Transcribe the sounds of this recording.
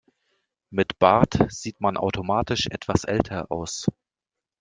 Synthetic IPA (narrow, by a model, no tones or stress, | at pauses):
mɪtb̥aɐtz̥iːtmanʔa̰ʊtʰomaːtɪʃʔɛ̰tv̥asʔɛ̰ltʰɐʔa̰ʊs